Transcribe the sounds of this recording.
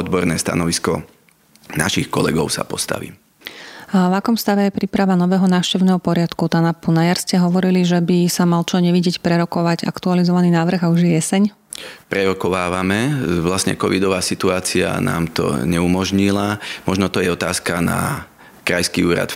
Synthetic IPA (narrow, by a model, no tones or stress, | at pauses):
ɔd̪bɔɾnɛːst̪a̰nɔʋiskɔ | naʃixkɔlɛ̰ɡɔʊsa̰pɔst̪a̰ʋḭː | ʋakɔmst̪aʋɛjɛpɾiːpɾaʋanɔʋɛːɦɔnaːfʃcɛʊnɛːɦɔpɔɾɪat̪kut̪anapunajaɾscɛɦɔʋɔɾiliʒɛbisamalt͡ʃɔɲɛʋiɟɪɛcpɾɛɾɔkɔʋaɟa̰kt̪ualizɔʋaninaːʋr̩ɣauʒjɛjɛsɛɲ | pɾɛɾɔkɔʋaːʋamɛʋlasɲɛ̰kɔʋid̪ɔʋaːsit̪uaːt͡sia̰na̰ːmt̪ɔ̰ɲɛumɔʒɲilamɔʒnɔt̪ɔjɛɔt̪aːskana̰ | kɾajskiuːɾa̰t̪